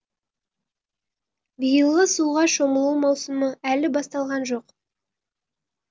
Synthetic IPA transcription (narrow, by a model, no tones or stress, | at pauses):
bijəlˠʁəsuʁɑʃo̞məlˠuwmɑwsəməælɪbɑst̪ɑlˠʁɑnʒo̞q